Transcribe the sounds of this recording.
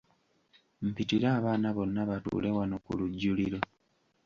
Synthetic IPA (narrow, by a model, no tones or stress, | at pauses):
m̩pitiɾaːβaːnaβo̞nːaβatṵːlʔewanokṵluɟːuliɾo̞